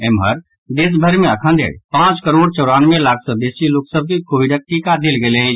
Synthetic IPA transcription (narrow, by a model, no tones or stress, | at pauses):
emɦəɾ | d̪es̬bʱəɾmẽəkʰə̃nd̪ʱḛɽpãt͡ʃkəɾoɽt͡ʃɔːɽaːnʋẽlakʰsə̃b̪esiloksəb̚kikoːiɖək̚ʈikad̪elɡelẽ